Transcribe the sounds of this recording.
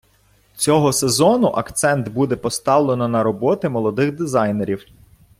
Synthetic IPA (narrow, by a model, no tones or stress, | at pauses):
t͡sʲɔɦɔsezɔnʊʔɐkt̪sɛnt̪bud̪ɛpɔst̪ɑwlˠenɔnɐɾɔbɔt̪ɪmɔlˠɔd̪ɪxd̪ɪzɑjneɾʲiw